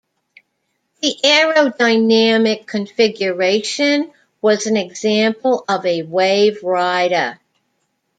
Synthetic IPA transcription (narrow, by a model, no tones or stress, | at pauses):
ðiʔɛɹoʊdaɪnæmɪkʰːɨ̃ɱfɪɡjə˞eɪʃɨ̃n | wʌzɨ̃n̩ɨɡzæ̃mpl̩ˠʌvɨweɪvɹaɪɾə˞